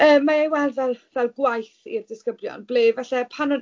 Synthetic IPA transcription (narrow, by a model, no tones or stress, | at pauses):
əːmːaejwɛlˠdvɛlˠvɛlˠɡwajθḭrdɪskəbljɔ̰nbleːvɛɬɛpʰanʊn